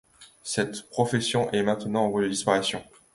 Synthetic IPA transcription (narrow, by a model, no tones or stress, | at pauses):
sɛt̪pχɔfesjɔ̃ʔɛmɛ̃t̪nɑ̃ɑ̃vwad̪əd̪ispaʁisjɔ̃